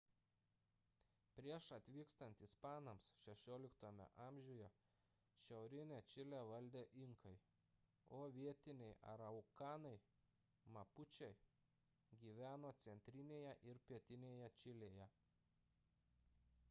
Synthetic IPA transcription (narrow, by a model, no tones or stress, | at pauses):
pʲɾʲiɛʃɐt̪ʲʋʲiːkst̪ɐnʲt̪ʲispɑːnɐmsʃʲɛʃʲoːlʲɪkt̪oːmʲɛ̰ʔɑːmʲʒʲʊjɛ | ʃʲɛʊɾʲɪnʲet͡ʃʲɪlʲæʋɐlʲd̪ʲeːʔɪŋkɐɪ | oːʋʲiɛt̪ʲɪnʲɛɪʔɐ̰ɾɐʊkɑːnɐɪ | mɐpʊt͡ʃʲɛɪ | ɡʲiːʋʲæːnoːt̪sʲɛnʲt̪ʲɾʲɪnʲeːjɛʔɪɾpʲiɛt̪ʲɪnʲeːjɛt͡ʃʲɪlʲeːjɛ